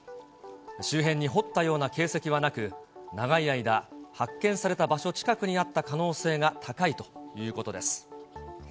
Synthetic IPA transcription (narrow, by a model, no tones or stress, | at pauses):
ɕɨːɦẽ̞ɲ̟ːiɦo̞t̪ːajo̞ːnake̞ːse̞kʲiβ̞anakɯ̟naɡaiaid̪ahakːẽ̞ɰ̃saɾe̞t̪abaɕo̞t͡ɕi̥kakɯ̟ɲ̟iat̪ːakano̞ːse̞ːɡat̪ʰakait̪o̞̥jɯ̟ːko̞t̪o̞d̪e̞sɨ̥